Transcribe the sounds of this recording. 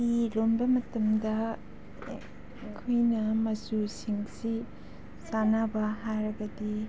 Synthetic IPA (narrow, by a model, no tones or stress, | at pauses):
ilombɐmɐtɐmdɐ | kʰojnɐmɐsusiŋsi | sanabɐɦajɾɐɡɐdi